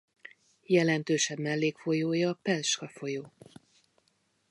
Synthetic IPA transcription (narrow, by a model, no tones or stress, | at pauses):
jɛlɛnt̪øːʃɛbmɛlːeːkfo̞joːjɒːpɛlʃkɒfo̞joː